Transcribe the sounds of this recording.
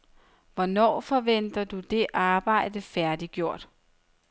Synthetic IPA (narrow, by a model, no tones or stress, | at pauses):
ʋɒnɒ̰ːfɒ̽ʋen̰d̥ɐd̥ud̥e̝ʔɑ̈ːb̥ɑ̈ɪ̰d̥əfæɐd̥iɡ̥jo̝ɐ̰d̥